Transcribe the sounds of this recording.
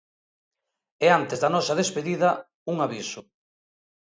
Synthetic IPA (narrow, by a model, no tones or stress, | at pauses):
ɛant̪ezðanɔsɐðespeðiðɐ | uŋaβisʊ